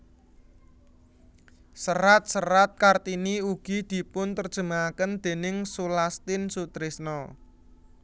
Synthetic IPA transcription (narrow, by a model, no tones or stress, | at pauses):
səɾat̪̚səɾat̪̚kart̪iniuɡ̥i̤d̪̥i̤pʊnt̪ərd̥ʒ̥ə̤maakənd̪̥e̤nɪŋsulast̪ɪnsut̪ɾɪsnɔ